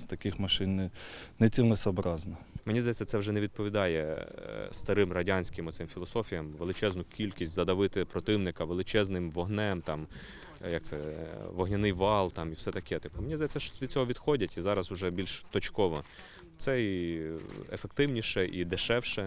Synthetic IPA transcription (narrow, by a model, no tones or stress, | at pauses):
st̪ɐkɪxmɐʃɪnːɛnɛt͡sʲiwnɛsɔbɾɑznɐmenʲizd̪jɛt͡sʲːɐtsɛwʒɛneʋʲid̪̚pɔʋʲid̪ɑjɛ | st̪ɐɾɪmrɐdʲɑnʲsʲkɪmɔt̪sɪmfʲilˠɔsɔfʲijɐmʋelˠɪt͡ʃɛznʊkʲilʲkʲisʲtʲzɐd̪ɐʋɪt̪ɪpɾɔt̪ɪwnɪkɐʋelˠɪt͡ʃɛznɪmʋɔɦnɛmt̪ɑm | jɐkt̪sɛʋɔɦnʲɐnɪjʋɑlˠt̪ɑmifsɛt̪ɐkɛt̪ɪpʊmenʲizd̪ɐjɛt͡sʲːɐʃʲid̪̥̚t͡sʲɔɦɔʋʲid̪̥xɔdʲɐtʲizɑɾɐzʊʒɛbʲilʲʃt̪ɔt͡ʃkɔʋɔ | t̪sɛi | ḛfek̚t̪ɪwnʲiʃɛʔid̪ɪʃɛwʃɛ